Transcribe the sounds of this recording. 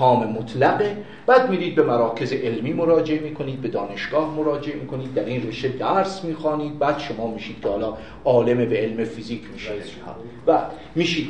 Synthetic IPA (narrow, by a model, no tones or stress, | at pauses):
ɒːmemot̪ʰlæɣe̞ | b̥æːd̪miːɾiːd̪̚be̞mæɾɒːkʰe̞zeʔelmiːmo̞ɾɒːd͡ʒe̞emiːkʰo̞niːd̪̚be̞d̪ɒːne̞ʃɡ̥ɒːhmoɾɒːd͡ʒeʔemiːkʰo̞niːd̪̚ːæɾiːnreʃed̪æɾsmiːxɒːniːd̪̚bæːd̪̥ʃo̞mɒːmiːʃiːd̪̥kʰehɒːlɒː | ʔɒːle̞mebee̞lmefiziːkʲʰmiːʃe | hɒ̰ː | væ | miːʃiːd̪